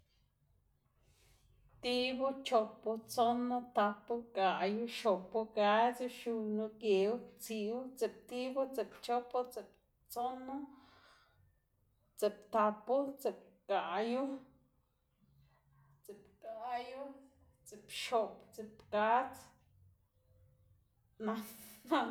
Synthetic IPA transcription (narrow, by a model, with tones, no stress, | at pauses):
t̪i˦bu˦t͡ʃo˧po˧t͡so˦no˦t̪a˧pu˦kʼa˨ʔju˦ʃo˨pu˧ka˧t͡su˦ʃu˧nu˧ke˨wt͡si˧wu˦t͡se˨p̚t̪i˦bu˦t͡se˨pt͡ʃo˦po˦t͡se˨p | t͡so˦no˦ | t͡se˨pt̪a˧pu˦t͡se˨p̚ka˨ʔju˦ | t͡se˨pka˨ju˦ | t͡se˨pʃo˧pt͡se˧pka˦t͡s | na˧a˦